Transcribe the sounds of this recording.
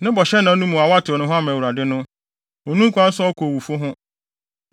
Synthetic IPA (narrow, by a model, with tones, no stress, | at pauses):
nɪ̃˦bɔ˨ɕɛ˦nã˨˦nũ˦mũ˨a˨wa˦tʰɪ˨ɔ˨nʊ̃˦ɦʊ̃˦a˦mã˨wu˨ɾa˨dɪ˦nʊ̃˦ | o˨nũ˦kʰʷa˦n̩˦sʊ˦ɔ˦kʰo˨wu˨fʊ˦ɦʊ̃˦